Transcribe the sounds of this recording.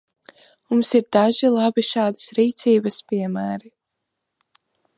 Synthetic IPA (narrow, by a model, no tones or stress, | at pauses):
mumsiɾd̪aʒilˠabiʃaːd̪əsɾiːt̪siːbəspʲiɛmæːɾi